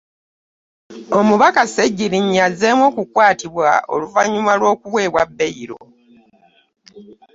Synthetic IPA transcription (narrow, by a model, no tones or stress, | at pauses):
o̞muβakaseɟːiɾiɲːazeːmwo̞ːkukwaːtiβwa̰o̞̰luvaɲumalwo̞ːkuβwe̞ːβwabːe̞iɾo̞̰